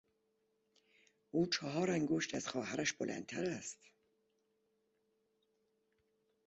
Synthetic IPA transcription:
uːt͡ʃʰɒɦɒːɾæŋɡoʃt̪æz̥xɒːhæɾæʃb̥olʔæ̰nt̪ʰæɾæst̪

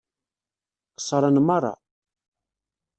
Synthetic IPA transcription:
ə̥sˤːɾˤɑnmɑrˤːɑ̰

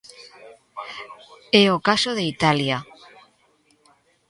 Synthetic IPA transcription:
eokasoð̞eit̪alja

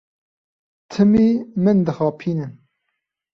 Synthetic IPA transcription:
t̪ʰɨmiːmɨnd̪ɨxɑːpʰiːnɨn

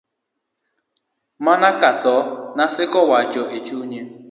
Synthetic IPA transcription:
manakatɔnasɪkɔwad͡ʒɔɦet͡ʃuɲe

